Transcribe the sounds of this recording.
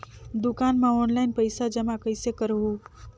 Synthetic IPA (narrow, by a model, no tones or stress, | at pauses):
d̪ukanmeonlaɪnpəjsad͡ʒəmakəjsekəɾɦu